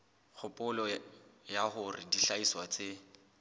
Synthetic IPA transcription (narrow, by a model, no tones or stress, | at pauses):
k͡xʰʊpʼʊlɔjahʊrɪdiɬaiswat͡se